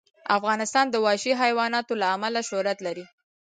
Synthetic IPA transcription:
afɣɑnɪst̪ɑnd̪əwɑʃiɦajwɑnɑt̪olaːmalaʃʊhɾat̪laɾi

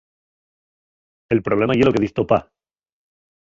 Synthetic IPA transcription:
e̞lpɾole̞majeloke̞ðist̪opa

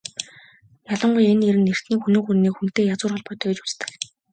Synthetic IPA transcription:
jaɮə̆ɴɢʊjeneɾɘ̆nːer̥t̪iːŋxunɵ̆ːŋxurniːkxun̥t̪eːjat͡sʊːrɔɮpɔːt̪ʰœːt͡ɕu̥t͡st̪ɘ̥̆k

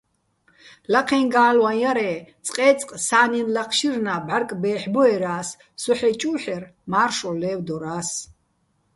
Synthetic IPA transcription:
laqʰɛnɡaːlwajaɾɛːt͡sʼqʼɛːt͡sʼqʼsaːninlaqʰʃirnabʕarkʼbɛːħbɔɛɾaːsː | ɔħɛt͡ʃʼuːħɛrmaːrʃɔlɛːwd̪ɔɾaːs

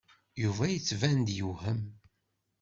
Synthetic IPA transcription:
juvæjət͡sːvænd̪juhəm

